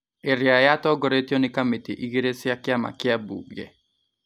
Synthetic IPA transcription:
eɾjajatɔɡɔɾetjonɪkametḭʔiɡeɾesɪakɪama̰kɪabṵɡḛ

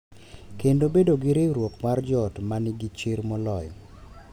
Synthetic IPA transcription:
kendobedoɡɪɾeɾwokmard͡ʒɔtmanɪɡit͡ʃɪɾmɔlɔj

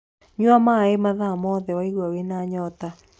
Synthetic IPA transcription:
ɲwamaemaðamɔðɛwaiɣwawenaɲɔːta

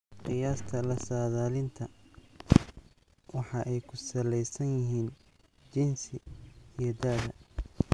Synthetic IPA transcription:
qɪjaːst̪ʰɐlɐsaːðaːlɪnt̪ʰɐ | wɑħɑʔɛjkʰʊsɐlɛjsɐnjɪɦiːn | d͡ʒɪnsɪijɞd̪aːðɐ

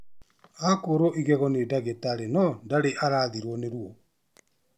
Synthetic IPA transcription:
akoɾoʔiɣɛɣɔnedaɣetaɾenɔndaɾeʔaɾaːðiɾwɔneɾwɔ

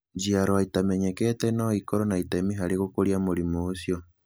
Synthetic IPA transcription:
d͡ʒiaɾɔaitamɛɲɛkɛtɛnaːikɔɾɔnaitaemiɦaɾeɣokoɾiamoɾimoːsjɔ

